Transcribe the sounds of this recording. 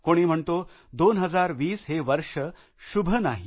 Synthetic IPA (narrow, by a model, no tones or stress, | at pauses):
koɽ̃im̤əɳt̪o | d̪onɦəd͡zaɾʋiːsɦeʋəɾʂə | ɕubʱənaɦi